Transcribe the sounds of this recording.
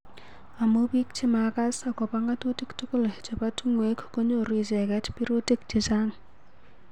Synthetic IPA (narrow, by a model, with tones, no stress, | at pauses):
a˨mo˦pi˦k̚t͡ʃɪ˦maka˦sa˨kɔ˨pa˦ŋɡa˦to˦ti˦ktu˦kʊ˦lt͡ʃe˨pa˦tu˦ŋwe˨˦kːo˦ɲo˦ɾi˨s̬ɛ˨kɛ˦tpi˦ɾo˦ti˦k̚t͡ʃi˨sa˦ŋ